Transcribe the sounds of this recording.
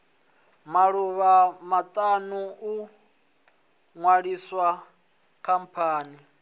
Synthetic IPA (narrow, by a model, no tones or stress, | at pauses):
maɺuβamat̪ʼanuu | ŋwaɺiswa | kʰam̩pʰaːni